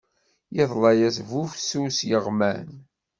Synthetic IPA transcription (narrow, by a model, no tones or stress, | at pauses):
jɪðˤlɑjæsvufsusjəʁmæn